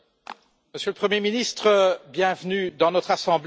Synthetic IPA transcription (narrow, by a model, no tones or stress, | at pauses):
məsjøləpχəmjeminist̪χəbjɛ̃vnyd̪ɑ̃nɔt̪χasɑ̃bl